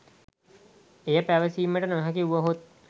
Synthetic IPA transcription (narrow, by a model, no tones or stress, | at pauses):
ejəpæʋəsiːməʈənaɦɐkiuʋəɦot̪̚